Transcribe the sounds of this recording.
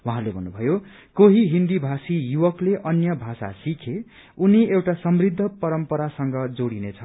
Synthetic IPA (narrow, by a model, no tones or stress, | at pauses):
wuɦãlebʱʌnːubʱʌjo | koɦiɦind̪ibʱasijuwʌkleʔʌnjʌbʱasa̰sikʰe | uniewʈasʌmrid̪ʱːʌpʌɾʌmpʌɾasʌŋɡʌd͡zoɽinet͡sʰʌ